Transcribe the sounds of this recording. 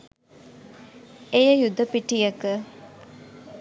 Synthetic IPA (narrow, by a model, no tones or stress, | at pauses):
ejəjud̪əpiʈijɐkə